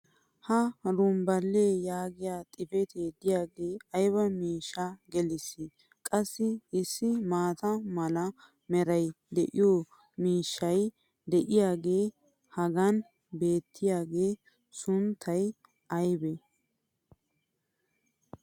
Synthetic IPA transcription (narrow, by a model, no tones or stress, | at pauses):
hɐɾʊmbɐlːeːjaːɡɪjaːt̪ʼɪfɛt̪ʰeːd̪ɪjaːɡeːɐjβɐmiːʃːaɡɛlɪsɪ | kʼɐsːɪɪsːɪmaːt̪ɐmɐlɐ | mɛɾɐj | d̪ɛʔɪjoː | miːʃːɐj | d̪ɛʔɪjaːɡe̞ː | hɐɡɐn | be̞ːt̪ʰːɪjaːɡe̞ː | sʊnt̪ʰːɐj | ɐjbɛ